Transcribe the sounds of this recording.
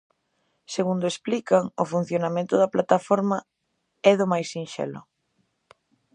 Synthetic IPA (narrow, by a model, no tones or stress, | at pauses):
seɣund̪ʊesplikaŋʊfun̟θjonamẽnt̪ʊðɐplat̪afɔɾmɐ | ɛðʊmajsinʃɛ̰lʊ̰